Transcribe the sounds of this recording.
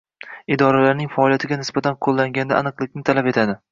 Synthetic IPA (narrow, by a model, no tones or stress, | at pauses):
ɪd̪ɒɾalaɾnɪŋʲfaːlijat̪ʰɪɡʲanɪsbat̪ʰanqʰolˠːaŋɡʲand̪a̰anɨqlˠɪkʲnɪt̪ʰalape̞t̪ʰad̪ɪ